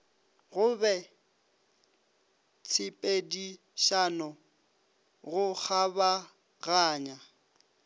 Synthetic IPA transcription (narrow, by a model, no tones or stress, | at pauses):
ɣʊbɛ | t͡sʰɪpʼedi | ʃanɔ | ɣʊk͡xʰaba | ɣaːɲa